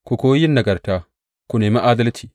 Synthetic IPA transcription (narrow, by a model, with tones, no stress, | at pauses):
kʷu˨koː˦jɪ˦nːɐ˨ɡɐ˨rtaː˦ | kʷu˨neː˨ma˦ʔaː˦dɐ˦ltʰiː˨